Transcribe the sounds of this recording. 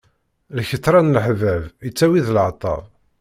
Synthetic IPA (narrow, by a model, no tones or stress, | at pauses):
lçət̪ːɾˤɑnlħvævət͡sːæwiðlʕt̪ˤɑ̰v